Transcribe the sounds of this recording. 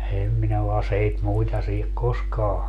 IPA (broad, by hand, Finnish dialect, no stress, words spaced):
em minæ o ɑseit muitɑ siːhek koskɑː